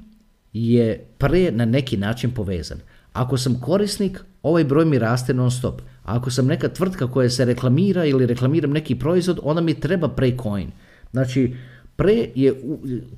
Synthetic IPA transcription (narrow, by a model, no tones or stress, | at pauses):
jepɾenane̞kinaːt͡ʃinpo̞ʋḛːza̰n | a̰ko̞samko̞ɾisniko̞ʋajbɾoːjmiɾaːst̪enaonst̪o̞pa̰ko̞samne̞kat̪ʋr̩t̪kako̞jase̞ɾe̞klˠamiːɾailiɾe̞klˠamiːɾamne̞kipɾo̞izʋo̞d̪o̞̰nd̪amit̪ɾe̞bapɾekʰo̞jḭn | znaːt͡ʃipɾejeu